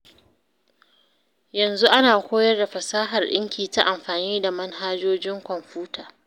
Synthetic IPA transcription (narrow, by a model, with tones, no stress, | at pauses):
jɐ˨nzu˦ʔa˦naː˨kʷoː˦jɐ˦rda˨ɸɐ˨saː˦ɦɐ˨rɗɪ̰˦ŋkʲʰiː˨ta˦ʔa˨mɸaː˨niː˦da˨mɐ˦nɦaː˦d͡ʒoː˦d͡ʒɪ˦ŋkʷɔ˨mɸuː˦tʰaː˨